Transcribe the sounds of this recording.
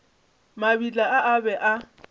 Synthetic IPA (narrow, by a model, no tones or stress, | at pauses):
mabit͡ɬʼaʔaʔabɛʔa